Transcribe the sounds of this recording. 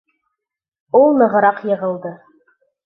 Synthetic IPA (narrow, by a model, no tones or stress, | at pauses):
ulˠnɤ̆ʁɤ̆ɾɑqjɤ̆ʁɤ̆lˠd̪ɤ